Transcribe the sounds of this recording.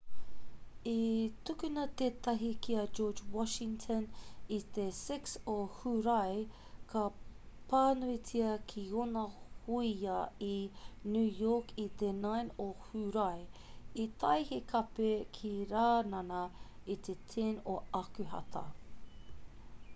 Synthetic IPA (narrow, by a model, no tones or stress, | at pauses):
itukʉnɐt̪eːt̪ɐɦikiɐd͡ʒoːd͡ʒwɔʃɪ̃ŋtʰənit̪esɪksohuɾɐj | kʰɐ | paːnuit͡sʰiɐkʰionɐhuiɐinʉːjokʰit̪enajnohuɾɐjit̪ʰɐjhekʰɐpekʰiɾaːnɐnɐit̪etʰɛnoɐkʉhɐ̰tʰɐ̰